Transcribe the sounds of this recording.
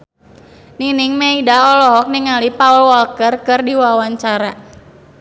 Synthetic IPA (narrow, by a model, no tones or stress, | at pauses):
niniŋmeidaɔlɔɦɔk̚niŋalipaulwɔlkərkɨrdiwawaɲt͡ʃaɾa